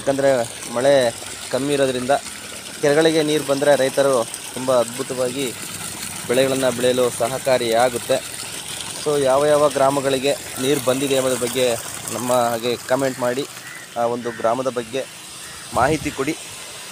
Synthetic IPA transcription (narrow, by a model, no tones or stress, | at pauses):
jaːkːɐnd̪ɐɾe̞ | mɐɭe | kɐmːiːɾoːd̪ɐɾind̪ɐ | kɛlɐɡɐɭiɡe̞niːɾbɐnd̪ɾe̞ɾɐjt̪ɐɾu | t̪umbɐːd̪̚bʱut̪ɐʋaːɡi | bɛɭɛɡɐɭɐnːɐbɛɭɛjɐloːsɐɦɐkaːɾiaːɡut̪ːe̞ | soːjaːʋɐjaːʋɐɡɾaːmɐɡɐɭiɡe̞ | niːɾbɐnd̪id̪eɐmːɐd̪ɐbɐɡːe̞nɐmːɐɦaːɡe̞kɐme̞ɳʈmaːɽi | aːo̞nd̪uɡɾaːmɐd̪ɐbɐɡːe̞ | maːɦit̪ikoɽi